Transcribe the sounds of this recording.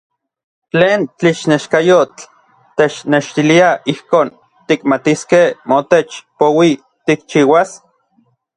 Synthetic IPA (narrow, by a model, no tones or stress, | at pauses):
t͡ɬeːnt͡ɬiʃneʃkajot͡ɬ | t̪et͡ʃneʃt̪iliaʔihkoːn | t̪ikmat̪iskehmot̪et͡ʃpowi | t̪ik̚t͡ʃiːwas